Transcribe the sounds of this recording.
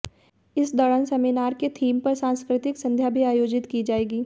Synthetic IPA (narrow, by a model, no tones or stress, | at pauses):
ɪsd̪ɔːɽənsɐmɪnaːɾket̪ʰiːmpɐɾsãːnskɾɪt̪ɪksɐ̃nd̪ʱjabʱiaːjoːd͡ʒɪt̪kid͡ʒaːeːɡiː